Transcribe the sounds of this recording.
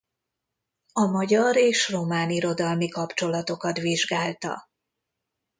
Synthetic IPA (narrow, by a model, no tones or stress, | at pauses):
ɒmɒɟɒɾeːʃro̞maːniɾo̞d̪ɒlmikɒpt͡ʃo̞lɒt̪o̞kɒt̪ʋiʒɡaːlt̪ɒ̰